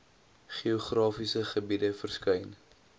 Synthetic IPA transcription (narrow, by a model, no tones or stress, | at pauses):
χioχrɑːfisəχəbidəfərskœjn